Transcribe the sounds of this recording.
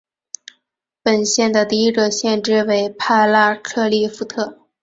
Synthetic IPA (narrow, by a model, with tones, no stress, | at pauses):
pə˨˩nɕjɛ˥˩nd̪ə˩t̪i˥˧i˥ɡə˧ɕjɛ˥˧nʈ͡ʂɻ̩˥˧we˧˥ɪpʰa˥˧ɪla˥˧kʰɤ˥˧li˥˩fu˧˥t̪ʰɤ˥˩